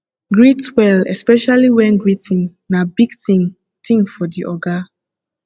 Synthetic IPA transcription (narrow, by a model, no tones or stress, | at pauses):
ɡɹitwɛlɛ̰spɛʃaliwɛ̃nɡɹitĩnnabiɡtĩŋ | tĩŋfɔdiʔɔɡa